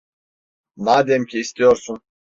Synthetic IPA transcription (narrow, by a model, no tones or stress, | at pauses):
nad̪emcʰiːst̪ʰijoɾsun